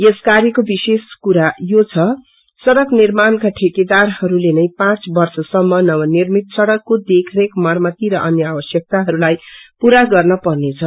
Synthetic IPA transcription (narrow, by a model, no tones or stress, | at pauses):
jeskaɾjʌkobiseskuɾajot͡sʰʌ | sʌɾʌɡnirmankaʈʰeked̪arhʌɾulenʌjpãt͡sbʌrsʌsʌmːʌnʌβʌnirmit̪sʌɽʌkːod̪ekʰrekmʌrmʌt̪iɾʌʔʌnjʌabʌsjʌk̚t̪aɦʌɾulajpuɾaɡʌrnʌpʌrnet͡sʰʌ